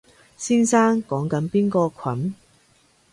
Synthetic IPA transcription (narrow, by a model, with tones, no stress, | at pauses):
siː˥nsaː˥ŋkɔː˨˥ŋkɐ˨˥npiː˥nkɔː˧kʰɐ˨˥n